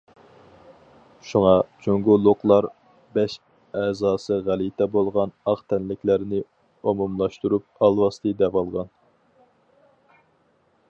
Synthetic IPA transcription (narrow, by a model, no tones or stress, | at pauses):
ʃuŋɑt͡ʃʰoŋɡolˠoqlˠɑɾ | bɛʃ | ɛːzɑːsɨʁælit̪ʰɛbolˠʁɑnɑqt̪ʰɛnlɪkʲlæɾɪnɪ | omumlˠɑʃt̪uɾup̚ɑlˠwɑst̪ɨd̪ɛvɑlˠʁɑn